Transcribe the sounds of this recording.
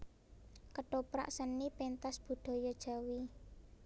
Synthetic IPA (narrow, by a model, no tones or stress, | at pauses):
kəɖ̥ɔpɾa̰ʔsənːipent̪asb̥ṳɖ̪̥ɔ̤jɔd̥ʒ̥ä̤wi